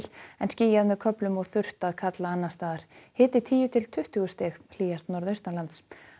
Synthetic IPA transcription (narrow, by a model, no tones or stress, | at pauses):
l̥ɛnsciːjaðmɛðkʰœplʏmɔɣθʏr̥t̪aðkʰat̪laanːast̪aːðaɾ̥hɪːt̪ɪt̪ʰiːjʏt̪ʰɪlt̪ʰʏht̪ʏɣʏst̪ɛxl̥iːjast̪nɔɾðœst̪nalant̪s